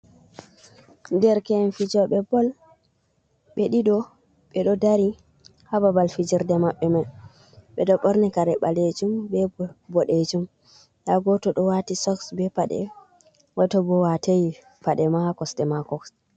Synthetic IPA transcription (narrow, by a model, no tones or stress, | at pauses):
ndɛɾkɛnfid͡ʒɔɓɛbɔl | ɓɛɗiɗɔ | ɓɛɗɔdaɾi | hababalfid͡ʒiɾdɛmaɓːɛmaj | ɓɛɗɔɓɔɾnikaɾɛɓaled͡ʒumbɛbɔɗed͡ʒum | jaɡɔtɔɗɔwatisɔksbɛpaɗɛ̰ | watɔbɔwateji | paɗɛmakɔstɛmakɔks